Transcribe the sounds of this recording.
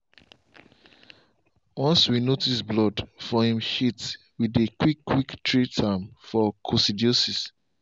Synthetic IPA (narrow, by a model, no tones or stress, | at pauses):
wɔ̃nswinotisblɔdfɔhĩmhit | widekwikːwiktɹitʰãmfɔkʰosidiosis